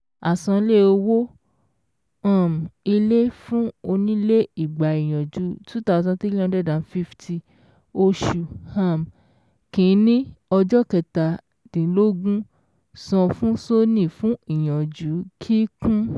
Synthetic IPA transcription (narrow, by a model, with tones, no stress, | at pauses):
a˨sɔ̃˧˦le˦˨o˧wo˦ | ã˦˨m˨i˧le˦fũ˦o˧nĩ˦le˦i˨ɡ͡ba˨i˨j̃ɔ̃˨d͡ʒu˨˦tu˦ta˦˧˨zã˧˦te˦e˦ɔ̃˧˦dɛ˦˨dã˨˦fi˦ftʰi˧ | o˧ʃu˨hã˦˨m˨ | kĩ˨˦nĩ˦ɔ˧d͡ʒɔ˦kɛ˨ta˨ | d̥ĩ˨˦lo˦ɡũ˦ | sɔ̃˧fũ˦so˦nĩ˦˨fũ˦i˨j̃ɔ̃˨d͡ʒu˨˦kʰi˦kũ˦